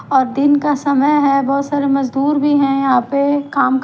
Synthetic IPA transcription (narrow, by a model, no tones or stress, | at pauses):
ɔːɾd̪ɪnkasɐməjɦɛbɔːt̪saːɾemɐzd̪uːɾbʱiɦɛ̃jɐɦãːpekaːmk